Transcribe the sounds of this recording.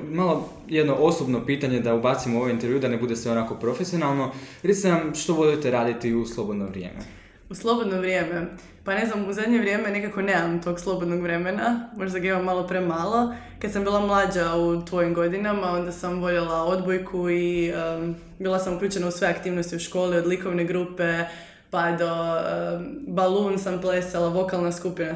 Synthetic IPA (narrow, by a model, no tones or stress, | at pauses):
malˠo | jed̪no̞ʔo̞sobno̞piːt̪aɲe̞d̪aubat̪simoo̞ʋojint̪eɾʋjuːd̪anebud̪e̞sʋe̞o̞nako̞pɾo̞fesio̞nalˠno̞ɾesnamʃt̪o̞boʎit̪eɾaːd̪it̪iuslˠo̞bo̞d̪noʋɾjḛmḛ | uslˠo̞bo̞d̪noʋɾʲjeme̞ | pane̞znamuzad̪ɲe̞ʋɾje̞me̞nekako̞nemamt̪o̞ɡslˠo̞bod̪noɡʋɾe̞menamo̞ʒd̪aɡaimamːalˠo̞pɾemalˠo̞ | kad̪sambiːlˠamlˠaːd͡ʑaut̪ʋo̞jimɡo̞d̪inamao̞nd̪asamʋo̞ʎelˠao̞d̪bojkʰuiə | biːlˠasamukʎuːt͡ɕe̞nausʋeakt̪iːʋnost̪iuʃko̞ːlio̞d̪liko̞ʋne̞ɡɾupe̞ | pad̪oəbalˠuːnsampleselˠaʋo̞kalˠnaskupina